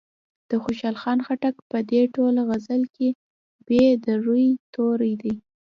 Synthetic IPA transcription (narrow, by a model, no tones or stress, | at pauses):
d̪̥əxoʃɑlxɑnxaʈakpəd̪eʈolaɣazəlke | bed̪aɾujt̪oɾijd̪i